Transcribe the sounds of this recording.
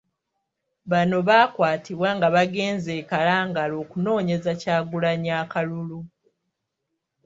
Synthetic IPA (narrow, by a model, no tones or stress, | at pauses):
βano̞βakwaːtiβwaŋɡaβaɡe̞ːnze̞ːkalaːŋɡalo̞ːkuno̞ːɲe̞zacaːɡulaɲaːkalulu